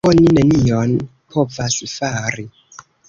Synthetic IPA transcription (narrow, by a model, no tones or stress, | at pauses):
oninenion | pʰo̞vasufaɾi